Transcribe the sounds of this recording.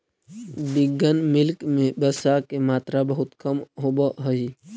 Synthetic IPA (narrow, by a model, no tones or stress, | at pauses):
b̪ɪɡənmɪlkmẽbəsakemaːt̪ɾabəɦʊt̪kəmɦobəɦəɦi